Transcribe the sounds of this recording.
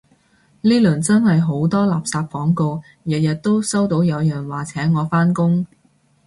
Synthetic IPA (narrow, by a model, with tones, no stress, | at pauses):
liː˥lːnt͡sɐ˥nhɐ˨jɦo˨˥wt̪ɔː˥laː˨˩p̚saː˧p̚fɔː˨˥ŋko˧w | jɐ˨jɐ˨t̚t̪ːo˥wsɐ˥wt̪o˨˥wjɐ˨˧wjœː˨ŋwaː˨˩t͡sʰɛː˨˥ŋɔː˨˧faː˥nkʊ˥ŋ